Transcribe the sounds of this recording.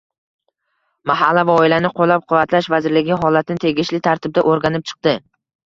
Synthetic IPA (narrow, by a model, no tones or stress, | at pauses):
maɦalːavaɒɪlanɪqʰolːap̚qʰʊvat̪ʰlaʃvazɪɾlɪɡʲɪɦɒlat̪ʰɪnɪt̪ʰe̞ɡʲɪʃlɪt̪ʰaɾt̪ʰɪb̚d̪aʔoɾɡʲanɪp̚t͡ʃʰɨ̥q̚d̪ɪ